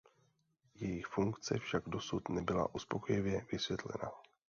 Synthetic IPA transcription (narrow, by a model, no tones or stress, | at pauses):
jɛjɪxfuŋkt͡sɛfʃaɡdo̞sut̪nɛbɪla̰ʔuspo̞kojɪvjɛvɪsvjɛt̪lɛ̰na